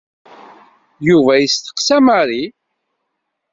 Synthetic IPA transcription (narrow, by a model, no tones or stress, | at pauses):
juvæjəst̪ə̥qsæmaɾi